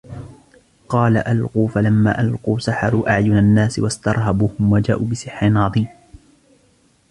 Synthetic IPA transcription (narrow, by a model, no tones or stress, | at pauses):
qɑːlaʔalquːfalamːa̰ːʔalquːsaħɑɾˤuːʔaʕjʊnanːaːsɪwast̪ɑɾˤɦabuːhʊmwad͡ʒaːʔuːbɪsɨħːɪnʕɑðˤiːm